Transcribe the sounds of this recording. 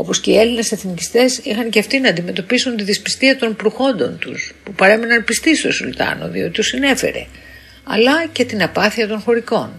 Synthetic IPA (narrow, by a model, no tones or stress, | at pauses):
o̞po̞sce̞ielinese̞θnicist̪e̞sixɐnce̞ɐft̪inɐːnd̪ime̞t̪o̞pisunt̪iðispi̥st̪iɐt̪o̞npɾuxo̞nd̪o̞nt̪uspupɐɾe̞minɐnpist̪ist̪o̞sult̪ɐ̰no̞̰ðio̞t̪it̪usine̞fe̞̰ɾe̞̰ | ɐ̰lɐce̞t̪inɐpɐθiɐt̪o̞nxo̞ɾiko̞n